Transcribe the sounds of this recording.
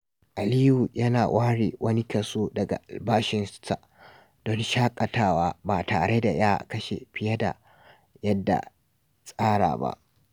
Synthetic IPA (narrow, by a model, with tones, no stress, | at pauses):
ʔa˨li˦ju˨jɐ˦naː˨wʔaː˦ɽeː˨wʔɐ˦ni˦kɐ˨soː˦dɐ˨ɡa̰˨ʔa˨lbaː˦ʃɪ˦nsta˨ | d̥ɔ˦nʃaː˦kʼɐ˨taː˦waː˦baː˨taː˨ɽe˦da˨jaː˦kɐ˦ʃḛ˨ɸɪ˦jɐ˦da̰˨ | jɐ˦dːa̰˨ | sʼaː˦ɽa̰ː˨ba̰˦ʔ